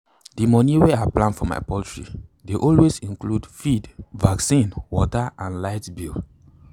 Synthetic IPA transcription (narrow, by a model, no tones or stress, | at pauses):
dimɔniwɛaplãnfɔma̰ɪpɔltɹḭdeʔɔlwezĩnkludfidvaksĩnwɔtaʔãnlaɪtbil